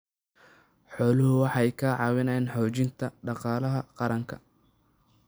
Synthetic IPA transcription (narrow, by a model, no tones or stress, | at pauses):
ħɔːlʊɦʊwɑħɑjkʰɐʕɑːwɪnɛnħɔːt͡ʃɪnt̪ʰɐɖɑqɑːlɐɦɐqɑɾɐŋkʰɐ̰